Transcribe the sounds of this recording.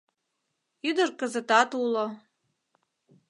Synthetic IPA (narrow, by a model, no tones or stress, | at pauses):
yd̪ə̆rkə̆zə̆t̪ɑt̪ulo